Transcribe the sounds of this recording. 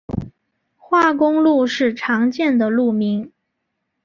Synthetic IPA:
xwa˥˩kʊ˥ŋlu˥˧ʂɻ̩˥˩ʈ͡ʂʰɑ˧˥ŋt͡ɕjɛ˥˩nd̪ə˩lu˥˩mi˧˥ŋ

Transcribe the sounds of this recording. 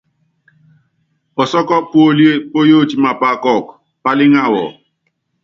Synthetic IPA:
ɔ˨sɔ˦kɔ˦pʊ˦o˦lje˦po˦jo˦˨t͡ʃi˨ma˨pa˦˨kɔ˦˨k | pa˦lɪ˦ŋa˦˨wɔ̰˨

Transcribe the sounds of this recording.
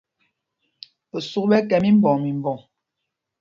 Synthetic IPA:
o˨su˦kbɛ˦kɛ˨mi˦m˦bɔ˨ŋmi˨m˨bɔ˨

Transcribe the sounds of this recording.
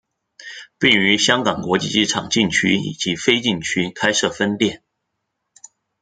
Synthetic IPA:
pi˥˩ŋy˧˥ɕjɑ˥ŋkɑ˨˩ŋkwɔ˧˥t͡ɕḭ˥˧˩i˥˩ʈ͡ʂʰɑ̰˨˩ŋt͡ɕi˥˩ŋt͡ɕʰy˥ḭ˨˩t͡ɕi˧˥fe˥ɪt͡ɕi˥˩ŋt͡ɕʰy˥kʰa˥ɪʂɤ˥˩fə˥nt̪jɛ˥˩n

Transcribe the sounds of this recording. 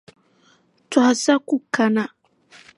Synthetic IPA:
t͡sa˨ha˨sa˦ku˦ka˨na˦˨

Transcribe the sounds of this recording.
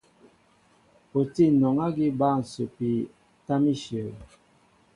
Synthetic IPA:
po˨ti˦˨nɔ˨ŋa˦ɡi˦ba˦˨n̩˨so˨pi˨ | ta˦mi˦ʃjə˨l

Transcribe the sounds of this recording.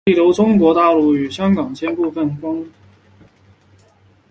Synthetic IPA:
i˥˩lu˧˥ʊʈ͡ʂʊ˥ŋkwɔ˧˥t̪a˥˧ʊlu˥˩y˨˩ɕjɑ˥ŋkɑ˨˩ŋt͡ɕʰjɛ˥npu˥˧fə˥˩nkwɑ˥ŋ

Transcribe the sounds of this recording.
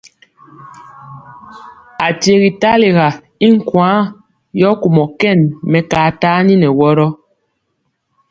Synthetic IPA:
a˨tje˨ɣi˨ta˦le˨ɣa˨ | i˦ŋ̩˦˨kwãː˨˦ | jɔ˦ku˨mɔ˨kɛ˦˨nmɛ˨kaː˨ta˦ni˦nɛ˨wɔ˦ɾɔ˦

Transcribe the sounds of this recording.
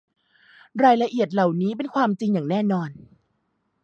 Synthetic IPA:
ɾaː˧jla˧ʔi˨˩ət̪̚la˨˩wniː˦˥p̬e˧nkʰwaː˧mt͡ɕi˧ŋjaː˨˩ŋnɛː˥˩nɔː˧n

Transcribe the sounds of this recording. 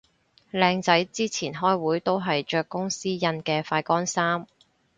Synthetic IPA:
lɛː˧ŋt͡sɐ˨˥jt͡siː˥t͡sʰiː˨˩nɦɔː˥jwuː˨˥jt̪o˥wɦɐ˨jt͡ʃœː˧kːʊ˥ŋsiː˥jɐ˧nkɛː˧faː˧jkɔː˥nsaː˥m

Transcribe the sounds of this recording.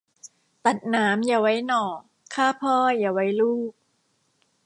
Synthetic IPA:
t̪a˨˩t̪̚naː˩˦˥mjaː˨˩wa˦˥jnɔː˨˩ | kʰːaː˥˩pʰɔː˥˩jaː˨˩wa˦˥jluː˥˩k̚

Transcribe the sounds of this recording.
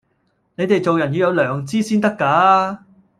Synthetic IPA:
ne˨˧jt̪e˨jt͡so˨wjɐ˨˩njyː˨˧jɐ˧wlœː˨˩ŋt͡siː˥siː˥nt̪ɐ˥kːaː˨˥

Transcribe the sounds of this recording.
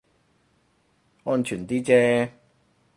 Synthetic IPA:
ŋɔː˥nt͡ʃʰyː˨˩nt̪iː˥t͡sɛː˦˥

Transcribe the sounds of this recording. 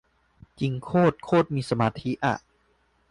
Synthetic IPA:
t͡ɕi˧ŋkʰoː˥˩t̪̚kʰoː˥˩t̪̚miː˧sa˧maː˧t̪ʰi˦˥ʔa̰˨˩ʔ

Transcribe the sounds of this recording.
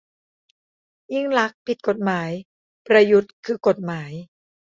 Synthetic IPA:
ji˥˩ŋla˦˥k̚pʰi˨˩t̪̚ko˨˩t̪̚maː˩˦j | pɾa˧ju˨˦˥t̪̚kʰɯː˧ko˨˩t̪̚maː˩˦j

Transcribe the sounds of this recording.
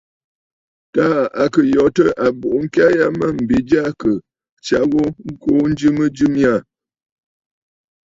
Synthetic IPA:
ta˦a˨kə˨jɔ˨tə˦ʔa˨bu˨ʔŋ̩˦ka˦ja˦mə˦˨m̩˨bi˨d͡ʒa˦kə˨ | t͡ʃa˦ɣo˦ŋ̩˦ko˦n˦d͡ʒɨ˦mə˦d͡ʒɨ˦mja˦˨

